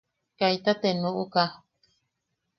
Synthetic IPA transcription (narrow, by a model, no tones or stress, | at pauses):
kajt̪at̪enuʔuka